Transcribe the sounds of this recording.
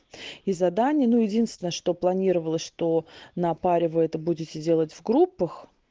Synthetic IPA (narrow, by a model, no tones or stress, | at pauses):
izɐd̪anʲɪjənujɪdʲinst̪vʲɪnəʂt̪o̞plˠɐnʲiɾəvəlˠəsʲʂt̪o̞nɐpaɾʲɪvɨɛt̪əbudʲɪtʲɪdʲe̞lˠətʲvɡɾupːəx